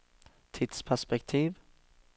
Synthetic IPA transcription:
t̪ʰid̪̥spʰæʂpɛk̚t̪ʰiːv

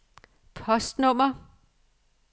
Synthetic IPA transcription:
pʰɒ̽sd̥nɔm̰ɐ

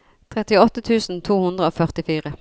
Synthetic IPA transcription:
t̪ʰʁɛt̪ɪɔt̪ət̪ʰʉːsn̩t̪ʰuːhʉnd̪ʁəoːfœʁt̪ɪfiːʁə

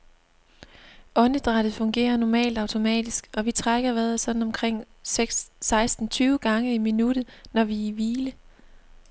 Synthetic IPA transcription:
ʔɔ̽nəd̥ʁɑ̈d̥ð̩ˠfɔ̽ŋɡ̥e̝̰ːɐnɒmɛ̰ːld̥ɑ̈ʊt͡sʰo̝mɛ̰ːd̥isɡ̥ɒ̽ʋit͡sʰʁaɡ̥ɐʋæːɐðˠsɒ̽d̥n̩ɒ̽mkʰʁeŋ̰ | ɡ̥sɑ̈ɪsd̥n̩t͡sʰyːʊɡ̥ɑ̈ŋəiminud̥ð̩ˠnɒʋiːʋiːlə

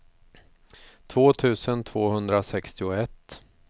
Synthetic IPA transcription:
t̪ʰvoːt̪ʰʉ̟ːsənt̪ʰv̥oːhɵnd̪ɾasɛkst̪ɪʊɛt̪ː

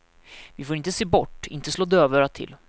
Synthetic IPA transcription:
vɪfoːɾɪnt̪əseːbɔʈːɪ̰nt̪əsloːd̪øːvəɾat̪ʰɪ̰l

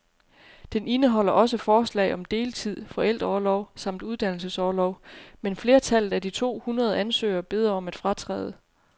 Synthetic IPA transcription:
d̥ene̝nəɦɒ̽l̰ɐʔɒ̽s̬əfɒːslɛ̰ɪɒ̽md̥e̝ːlt͡sʰið̞̰ˠfɒ̽el̰d̥ʁɐɒlɒʊsɑ̈m̰d̥uðˠd̥æn̰l̩səsɒːlɒʊmenfle̝ːɐt͡sʰæl̰ð̩ˠæd̥it͡sʰo̝̰ːhunʁɐð̞ˠʔænsø̰ːɐb̥e̝ð̞ˠʁɐɒ̽mæd̥fʁɑ̈t͡sʰʁɛ̰ːð̞ˠə

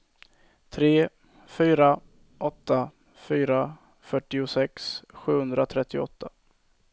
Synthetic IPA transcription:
t̪ʰɾeː | fyːɾa | ʔɔt̪ːa | fyːɾa | fœʈːɪʊsɛksɧʉ̟ːhɵnd̪ɾat̪ʰɾɛt̪ːɪɔ̰t̪ʰːa

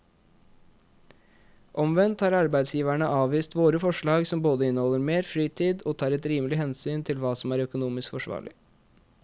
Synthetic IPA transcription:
ʔɔmʋɛnt̪hɑːɾɑɾbæɪd̪sjiːʋæɳəʔɑːʋiːst̪ʋoːɾəfɔʂɭɑːɡsɔmboːd̪əɪnəhɔlːəɾmeːɾfɾiːt̪ʰiːd̪oːt̪ʰɑːɾɛt̪ɾiːməlɪhɛnsyːnt̪ʰɪlʋɑːsɔmæːɾœkʊnuːmɪskfɔʂʋɑ̰ːɭɪ̰

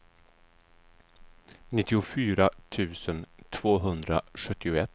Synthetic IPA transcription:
nɪt̪ːɪʊfyːɾat̪ʰʉ̟ːsənt̪ʰvoːɦɵnd̪ɾa̰ɧɵt̪ʰːɪʊɛt̪ː

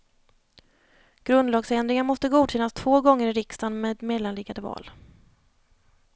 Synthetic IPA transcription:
ɡ̥ɾɵnd̪lɑːɡsɾɛnd̪ɾɪŋamɔst̪əɡuːd̪ɕɛnːast̪ʰv̥oːɡɔŋːəɾɪɾɪkst̪anmeːd̪meːd̪lanlɪɡad̪əvɑ̰ːl

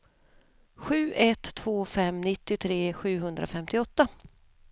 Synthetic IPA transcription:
ɧʉ̟ːʔɛt̪ʰːv̥oːfɛmnɪt̪ːɪt̪ʰɾeːɧʉ̟ːɦɵnd̪ɾa̰fɛmt̪ɪɔt̪ːa

